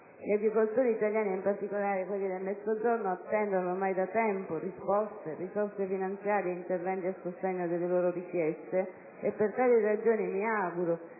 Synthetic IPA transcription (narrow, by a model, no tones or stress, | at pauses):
liaɡɾikolt̪oːɾiːt̪aljaːniimpart̪ikolaːɾekwelːid̪elmɛd̪zod͡ʒornʊat̪ːɛnd̪onomajd̪at̪ɛmpʊrispɔst̪erisɔrsefinant̪sjaːɾeint̪ervɛnt̪iasʊst̪ɛɲːod̪elːeloːɾorikjɛst̪e | epːert̪aːlirad͡ʒoːnimiaːɡuɾʊ